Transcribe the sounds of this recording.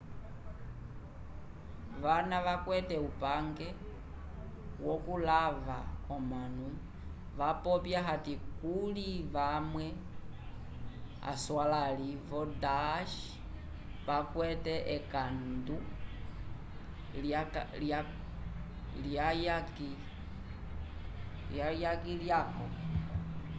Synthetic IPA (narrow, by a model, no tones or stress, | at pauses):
ʋanaʋakwɛtɛupaŋɡɛ | wɔkulavaɔmanu | βapɔpjaɦatikuliβamwɛ | a̰swalalivɔdaʃ | βakwɛtɛʔɛkandu | lalja | ljajaki | ljajakiljakɔ̰